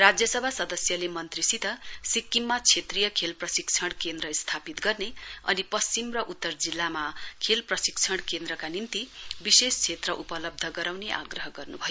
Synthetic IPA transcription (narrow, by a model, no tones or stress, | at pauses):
rad͡zjʌsʌbʱasʌd̪ʌsjʌlemʌnt̪risit̪ʌsikːimːat͡sʰet̪rijʌkʰelprʌsik̚t͡sʰʌɽ̃kend̪ɾʌst̪ʰapit̪ɡʌrneʌ̰nipʌst͡simrʌʔut̪ːʌrd͡zilːamakʰelprʌsik̚t͡sʰʌɽ̃kend̪ɾʌkanint̪ibisest͡sʰet̪rʌʔupʌlʌb̚d̪ʱʌɡʌɾawneʔa̰ɡrʌɦʌɡʌrnubʱʌjo